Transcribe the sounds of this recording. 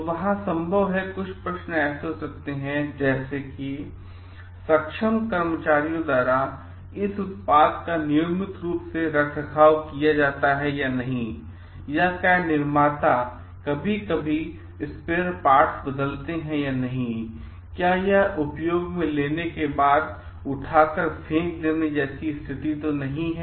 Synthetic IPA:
ʋɐɦãsɐ̃mbʱəʋɦɛ̃kʊt͡ʃʰpɾɐʃnɛːsɦosɐk̚t̪eɦɛ̃d͡ʒɛːseki | sɐkʃəmkɐɾmət͡ʃaːɾijõd̪waːɾa | ɪsʊt̪̚paːd̪kanɪjoːmɪt̪ɾuːpseɾɐkʰəkʰaːʋkijad͡ʒaːt̪aɦɛjanɐɦĩ | jakanɪɾmaːt̪a | kɐbʱikɐbʱi | ɪspeːɾpaːɾʈsbəd̪əlt̪eɦɛ̃janɐɦĩ | kjaːjɐɦʊpjoːɡmẽleːnekebaːd̪ | ʊʈʰaːkəɾpʰẽːkleːned͡ʒɛːsist̪ʰɪt̪it̪onɐɦĩɦɛ

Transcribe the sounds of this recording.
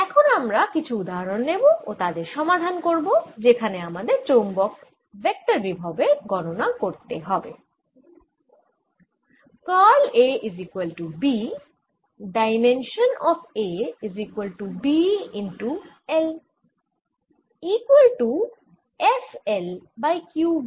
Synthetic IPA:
ɛkʰonamɾakit͡ɕʰuud̪aɦaɾonːeboot̪ad̪eɾʃɔmad̪ʱankoɾbod͡ʑekʰaneamad̪eɾt͡ɕombɔk | bek̚ʈaɾbibʱabeɡɔnonakoɾt̪eɦɔbḛ | kaleʔizikuwelʈubi | ɖajmenʃonɔfʰeizikwelʈubiinʈu | el | ikwelʈu | eselbajkju

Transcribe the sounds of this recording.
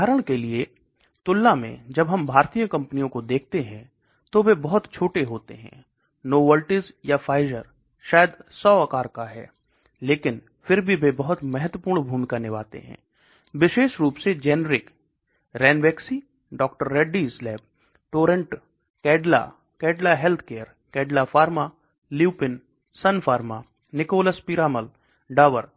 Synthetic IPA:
aːɾəɽ̃kelie | t̪ʊlːamḛ̃d͡ʒɐbɦɐmbʱaːɾt̪ijəkɐ̃mpənijõkod̪eːk̚ʰt̪eɦɛ̃ | t̪obʱebɐɦʊt̪t͡ʃʰoːʈeɦoːt̪ḛɦɛ̰̃ː | noːʋəlʈɪzjafaːɪzə̰ɾ | ʃaːjəd̪sɔːɐkaːɾkaɦɛ̰ː | leːkɪn | fɪɾbʱibʱebɐɦʊt̪mɛɦət̪wəpuːɾɳ̃bʱuːmikanɪʋa̰ːt̪ḛɦɛ̰̃ː | ʋɪʃeːʃɾuːpsed͡ʒɛːnɾɪk | ɾɛːnʋɛːksi | ɖɔːk̚ʈəɾːɛːɖislɛːb̚ | ʈoːɾə̃ɳʈ | kɛːɖla̰ | kɛːɖlaɦɛlt̪ʰkeːəɾ | kɛːɖlafaːɾma | liupɪn | sɐnfaːɾma | nɪkoːləspiɾaːməl | ɖaːʋəɾ

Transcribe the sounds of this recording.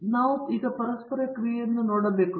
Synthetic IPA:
nɐwt̪iɣɐpɐɾɐspɐɾɐkrijenːɨnoɽɐbekːu

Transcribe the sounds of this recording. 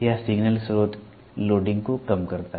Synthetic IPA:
jasɪɡnəlsoːt̪ | loːɖɪ̃ŋɡkokɐmkɐɾt̪aɦ

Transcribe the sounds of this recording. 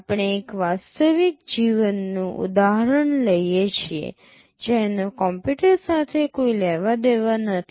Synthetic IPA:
apɳ̃eːkʋast̪əʋik̚d͡ʒiʋənːũʔṵd̪aɦəɾəɳləjet͡ʃʰiḛ | d͡ʒenokɔmpuʈəɾsat̪ʰekoilɛʋad̪eʋanət̪ʰi

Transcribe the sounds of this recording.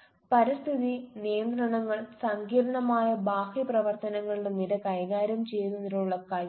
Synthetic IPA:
pɐɾist̪ʰiðinijɐnd̪rɐɳɐŋːɐɭsɐŋɡiːɾɐɳɐmaːjɐbaːxiprɐʋɐrt̪ɐnɐŋːɐɭiɽeniɾɐkɐjɣaːɾjɐmt͡ɕe̞jnunːɐɾuɭuɭːɐkɐj

